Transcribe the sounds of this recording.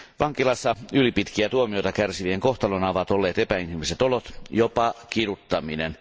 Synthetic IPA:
ʋɑŋkilɑsːɑylipit̪kiæt̪uomiojt̪ɑkærsiʋieŋkoht̪ɑlonɑʋɑt̪olːeːt̪epæinhimiset̪olot̪jopɑkirut̪ːɑminḛn

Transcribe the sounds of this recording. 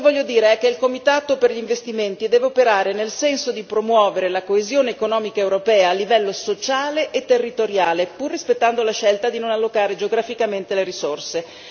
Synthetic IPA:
vɔʎːjːod̪iːɾeɛk̟ːeilkomit̪aːt̪operʎiːɱvest̪iment̪id̪ɛːveopeɾaːɾenelsɛnsod̪ipɾomwɔːveɾelakoezjoːneːkonɔːmikaewɾopɛːaːlːivɛlːosot͡ʃaːleʔet̪ːerːit̪oɾjaːlepurːispet̪ːand̪olaʃɛlt̪ad̪inonalːokaːɾed͡ʒeoɡɾafikament̪eleɾisorse

